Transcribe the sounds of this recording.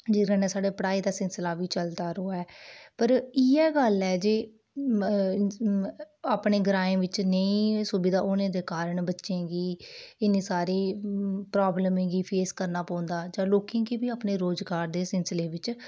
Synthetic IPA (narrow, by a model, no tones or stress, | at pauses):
d͡ʒɪːɡənẽːsaːɽeːpəɽaːiːd̪aːsɪlslaːʋiːt͡ʃəld̪aːɾoːɛːpəɾiːɛːɡəlɛːd͡ʒeː | aːpɳeːɡəɾaːẽːʋɪt͡ʃnəĩːsʊbɪd̪aːʔʊːnẽːd̪eːkaːɾəɳbətːʃẽːɡiːɪnẽːsaːɾiːpɾaːbləmẽːɡiːpʰeːskəɾnaːpɔ̃ːnd̪aːd͡ʒãːloːkẽːkiːbiːaːpneːɾoːzɡaːɾd̪eːsɪnsleːʋɪt͡ʃ